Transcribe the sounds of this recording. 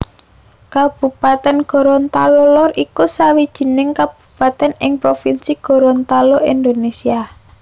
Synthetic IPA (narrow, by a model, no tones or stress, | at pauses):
kab̥ṳpat̪ɛnɡ̥ɔ̤ɾɔnt̪alolɔrikusawid̥ʒ̥i̤nɪŋkab̥ṳ̥pat̪ɛnɪŋpɾofinsiɡ̥ɔ̤ɾɔnt̪aloʔind̪onesia